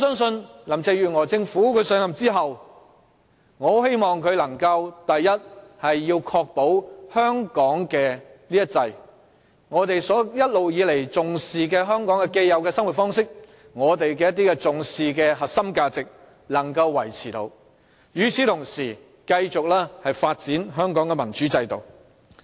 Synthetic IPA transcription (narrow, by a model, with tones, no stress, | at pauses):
sœː˥ŋsɵ˧nlɐ˨˩mt͡sɛː˧jyː˨˩ŋɔː˨˩t͡sɪ˧ŋfuː˨˥kʰɵ˨˧sœː˨˥ŋɐ˨˩mt͡siː˥ɦɐ˨w | ŋɔː˨˧he˥jmɔː˨ŋkʰɵ˨˧ɥlɐ˨˩ŋkɐ˧wt̪ɐ˨jːɐ˥t̚hɐ˨jːiː˧wkʰɔː˧k̚po˨˥whœː˥ŋkɔː˨˥ŋkɛː˧liː˥jɐ˥tt͡sɐ˧j | ŋɔː˨˧t̪e˨jsɔː˨˥jɐ˥t̚lo˨wjiː˨˧le˨˩jt͡sʊ˨ŋsiː˨˧kɛː˧ɦœː˥ŋkɔː˨˥ŋkɛː˧ke˧jjɐ˨˧wkɛː˧sɐ˥ŋwu˨˩tfɔː˥ŋsɪ˥k̚ | ŋɔː˨˧t̪e˨jkɛː˧jɐ˥t̪iː˥kɛ˧t͡sʊ˨ŋsiː˨kɛː˧ɦɐ˨tsɐ˥mkaː˧t͡sɪ˨k̚ | lɐ˨˩ŋkɐ˧wːɐ˨˩jt͡sʰiː˨˩t̪o̰˨˧w | jyː˨˧t͡sʰiː˨˥t̪ʰʊ˨˩ŋsiː˨˩ | kɐ˧jt͡sʊ˨k̚lɛː˥hɐ˨jfaː˧t̚t͡siː˨˥nɦœː˥ŋkɔː˨˥ŋkɛː˧mɐ˨˩nt͡ʃyː˨˥t͡sɐ˧jt̪o˨w